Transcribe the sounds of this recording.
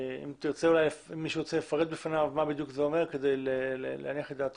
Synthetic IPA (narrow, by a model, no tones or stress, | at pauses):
ḭmt̪iʁt͡se̞ulajlefimːiʃeʁot͡selefaʁed̪̚befanavmabid̪jukzeomeʁked̪ejlelelḛaniaχled̪aːt̪